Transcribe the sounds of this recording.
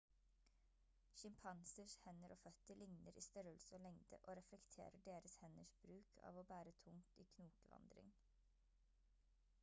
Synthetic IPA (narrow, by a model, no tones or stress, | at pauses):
ʃɪmpʰɑnsəʃhɛnəɾʔoːfœt̪əɭɪŋnəɾḭːst̪œɾəlsəoːlɛŋd̪ə̰ʔoːɾɛflɛkt̪ʰḛːɾəɖeːɾəshɛnəʃb̥ɾʉːkʰɑ̰ːʋoːbæːɾət̪ʰʊŋt̪iːkʰnuːkəʋɑ̰nd̪ɾɪ̰ŋ